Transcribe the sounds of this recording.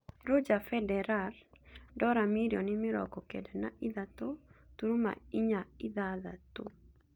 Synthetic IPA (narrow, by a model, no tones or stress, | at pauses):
ɾod͡ʒafɛdɛɾaldɔɾamiɾjɔnɪmɪɾɔ̰kɔkɛ̰danaʔiðat̪ot̪uɾuma̰iɲaiðaða̰t̪o